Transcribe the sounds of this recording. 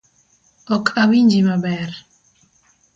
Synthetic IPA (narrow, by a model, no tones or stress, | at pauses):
ɔkʰʼaβind͡ʒimabɛɾ